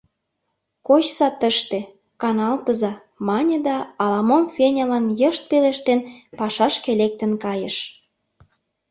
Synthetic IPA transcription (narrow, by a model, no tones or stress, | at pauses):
kot͡ɕsɑt̪ə̆ʃt̪ĕ | kɑnɑlt̪əzɑ | mɑnʲĕd̪ɑːlɑmonfenʲɑlɑnjəʃt̪̚peleʃt̪enpɑʃɑʃkelek̚t̪ə̆nkɑjəʃ